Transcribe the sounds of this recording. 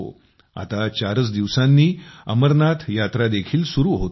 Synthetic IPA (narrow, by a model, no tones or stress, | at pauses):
o̰ | a̰t̪at͡ɕaɾət͡sd̪iʋsanːiːə̰məɾnat̪jat̪ɾad̪ekʰiːlsuɾuːɦot̪